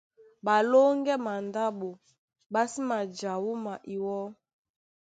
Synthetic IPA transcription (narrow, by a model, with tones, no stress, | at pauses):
ba˨lo˦ŋɡɛ˦ma˨nda˦ɓo˨ | ba˦si˦ma˨d͡ʒa˨wu˦ma˨ʔi˨wɔ˦